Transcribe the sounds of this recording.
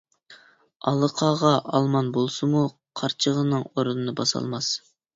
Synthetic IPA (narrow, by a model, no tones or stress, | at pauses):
ɑlˠəqʰɑːʁɑʔɑlˠmɑnbolˠsɨmu | qʰɑɾt͡ʃʰəʁənɨŋoɾunɨnɨbɑsɑ̰lˠmɑs